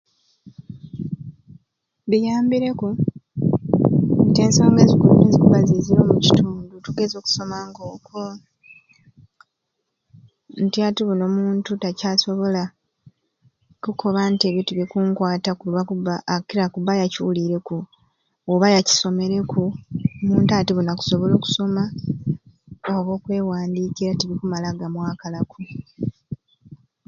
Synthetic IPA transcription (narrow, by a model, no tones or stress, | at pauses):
βijaːmbiɾe̞ku | ntieːnsaːŋɡezikulunezikuβaziziɾo̞ːmucituːndutuɡe̞zo̞ːku̥so̞maŋɡo̞ːkʰo | ntiatuβuno̞ːmuːntutacaːso̞βo̞la | kukʰo̞βantieβjitiβikuːŋkwaːtakuluβakubaːkiɾakubajaciwuliɾe̞ku | oβajaci̥so̞me̞ɾe̞kʰumuːntaːtiβunaku̥so̞βo̞lo̞ːku̥so̞ma | oβo̞ːkwe̞ːwaːndikiɾatiβikumalaɡamwaːkalakʰu